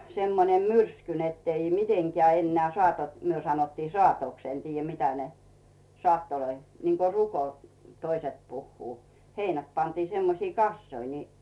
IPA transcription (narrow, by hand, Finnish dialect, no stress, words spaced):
semːonem myrsky netːei miteŋkeæˑ enːeæˑ sŏɑˑtot myø sɑnotːiː sŏɑˑtoks en tiːjæ mitæ ne sŏɑˑtːoloi niŋko ruko t toiset puhːuː heinæt pɑntie̥ semːosie̥ kɑsːoi ni